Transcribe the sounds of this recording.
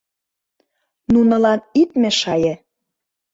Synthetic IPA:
nunɤ̆lɑnit̪mĕʃɑjĕ

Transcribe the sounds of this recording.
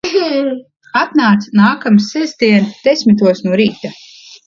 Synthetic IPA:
at̪naːt̪snaːkamsːɛzd̪iɛnd̪̥esʲmit̪̬uɔsnuɔɾiːt̪a

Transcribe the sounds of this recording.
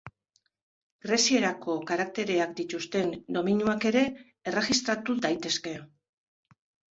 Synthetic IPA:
ɡɾesie̞ɾako̞kaɾak̚t̪e̞ɾe̞akd̪it̪ust̪e̞nd̪o̞miɲjuake̞ɾe̞ː | re̞ɣist̪ɾat̪ud̪ajt̪e̞ske̞

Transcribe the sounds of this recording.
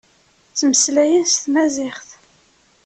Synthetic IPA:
t͡sːməslæjənst̪mæzɪχθ

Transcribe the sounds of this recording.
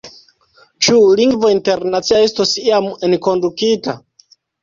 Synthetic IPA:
t͡ʃuliŋɡvo̞inte̞ɾnat͡siae̞stosiame̞nko̞ndukita̰

